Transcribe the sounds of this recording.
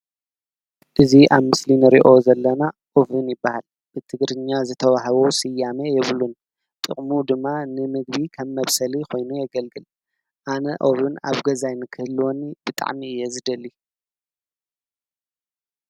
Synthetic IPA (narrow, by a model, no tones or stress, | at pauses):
ʔɨziʔaβmɨslinɨɾḭʔo̞zɐlːɐnaʔoβɨnjɪbːahal | b̥ɨt̪ʰɨɡɾɨɲːazɨt̪ʰɐβahɐβowsɨjːamejɛβlun | t̪ʼɨχʼmud̪ɨmːanɨmɨɡ̚bikʰɐmːɐβsɐlikʰo̞jnujɛɡɐlɡɨl | ʔanɐʔoβɨna̰βɡɐzajnɨkʰɨhɨlːwonːib̥ɨt̪ʼa̰ʕmiɨjːɛzɨd̪ɐli